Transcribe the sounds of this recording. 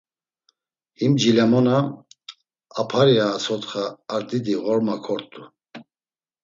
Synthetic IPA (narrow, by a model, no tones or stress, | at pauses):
himd͡ʒilɛmɔna | pʰaɾiaːsɔt̪χaːɾd̪id̪iɣɔɾmakʰɔɾt̪ʼu